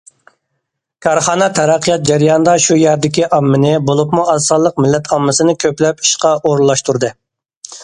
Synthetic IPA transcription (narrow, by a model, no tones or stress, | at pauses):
kʰɑɾχɑːnɛt̪ʰɛɾæqʰːəjɑt̪̚d͡ʒæɾijɑnd̪ɑʃujæɾd̪ɪkʲiʔɑmːɪnɪbolˠupmuɑsɑlˠːəqmɪlːɛt̪ʰɑmːɨsɨnɪkʲʰøplɛpi̥ʃqɑʔoɾlˠːɑʃt̪uɾd̪ɨ